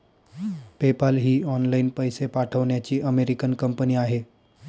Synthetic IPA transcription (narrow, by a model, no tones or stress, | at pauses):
pepəlɦiːɔnlainpəjsepaʈʰəʋɳjat͡ɕiːʔəmeɾikənkəmpəniːaɦe